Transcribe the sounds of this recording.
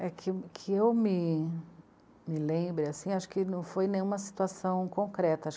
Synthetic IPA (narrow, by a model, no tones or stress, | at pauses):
ɛkʰɪkʰɪewmɪ | mɪlẽbɾɪasĩaʃʊ̥kɪnɐ̃w̃fojnẽj̃ũmɐsi̥t̪uasɐ̃w̃kõkɾɛt̪ɐʃ